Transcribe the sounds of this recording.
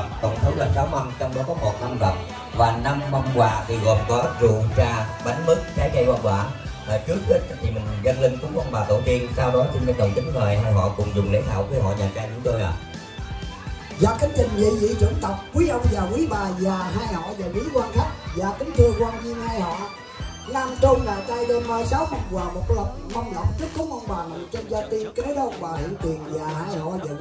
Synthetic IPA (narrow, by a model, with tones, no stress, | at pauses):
t̪ə̰˨˧˩wŋ͡mt̪ʰə˨˦ŋ͡mlə˨˩saː˨˦wma˧ŋt͡ɕɔ˧wŋ͡mɗa̰˨˦kɔ˨˦mo˨˩t̚na˧mvə˨˩t̚ | vaː˨˩na˧mɓa˧mkwaː˨˩t̪ɨ˧˩ɣɔ̰˧˨nkɔ˨˦ʔə˦˥t̚zṵ˧˨ə˨zaː˧ɓa˨˦jŋ̟mɨ˦˥k̚t͡ɕaː˨˦jt͡ɕa˧jkwaː˧nɗwa̰ː˧˩˨n | həː˨˩t͡ɕɨ˦˥ək̚xi˧˥˦t̪ʰi˨˩ï˨˩ŋ̟˨˩ɣə˧ŋlï˧ŋtʊ˨˧˦kwaː˧nɓaː˨˩t̪o̰˧˩t̪i˧ənsaː˧wɗɔ˨˦t͡ɕʊ˧ŋ͡mɗə˧˦nɗə˨˩wŋ͡mt̪ï˨˦ŋ̟ŋəː˨˩jɦaː˧˩jɦɔ̰˧˨kʊ̰˧˩˨ŋ͡mzʊ˨˩ŋ͡mlə˨˦ɦa̰ː˧˨wvəː˨˦jɦɔ̰˧˨ɲaː˨˩t͡ɕaː˧jt͡ɕʊ˨˧˦ŋ͡mt̪o˧jʔa̰ː˨˩ | zaː˨˩kə˨˦t͡ɕ̪ï˨˩ŋ̟zḭ˧˨zḭ˧˥t͡ɕwə˧˩ənt̪ə˨˩wk͡p̚kwi˨˦ʔə˧wŋ͡mzaː˨˩kwi˨˦ɓaː˨˩zaː˨˩ɦaː˧jhɔ̰˧˨zaː˨˩li˨˦kwaː˧nxa˦˥k̚zaː˨˩k̪i˨˦ŋ̟t̪o˧jkwaː˧ŋɲi˧ənhaː˧jhɔ̰˧˨ʔ | laː˧˩mt͡ɕo˧nŋaː˨˩jt̪aː˧jɗə˧nmaː˧˩jsaː˨˦wmə˧˩ŋ͡mwaː˨˩mo˨˩t̚lə˨˩wŋ͡m̚mɔ˧wŋ͡mlə˨˩wŋ͡m̚t͡ɕə˦˥k̚kə˨˦ŋ͡mʔə˧wŋ͡mɓaː˨˩nə˨˩wt͡ɕɔ˧nza˧t̪i˧nkːlə˧wŋ͡mɓaː˨˩hḭ˧˨ənt̪wi˨˩ənzaː˨˩haː˧jhɔ̰˧˨za˧˨˩